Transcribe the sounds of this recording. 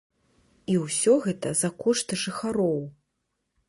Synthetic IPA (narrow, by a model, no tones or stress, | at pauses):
iwsʲɔɣɛt̪ɐzɐkɔʂt̪ɨʐɨxaɾɔw